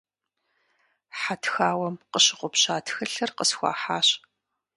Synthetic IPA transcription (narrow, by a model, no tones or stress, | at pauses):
ħatʰxaːwɐmqəɕɪqʷʊpɕaːtʰxɐɬɐrqəsxʷɑ̰ːħaːɕ